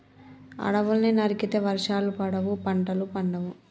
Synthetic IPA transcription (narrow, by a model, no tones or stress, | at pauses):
ɐ̰ɽɐʋulɐninɐɾikit̪eːʋɐɾʂaːlupɐɽɐʋupɐɳʈɐlupɐɳɖɐʋu